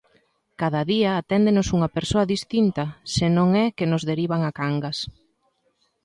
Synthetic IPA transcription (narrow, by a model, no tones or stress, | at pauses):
kaðɐðiɐːt̪ɛnd̪enʊsuŋɐpeɾsoɐðist̪int̪ɐsɪnõŋɛkɪnʊzðeɾiβ̞aŋakaŋɡɐs